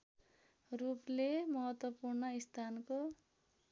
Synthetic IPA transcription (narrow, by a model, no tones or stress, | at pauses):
ruplemʌɦʌt̪wʌpurnʌist̪ʰanko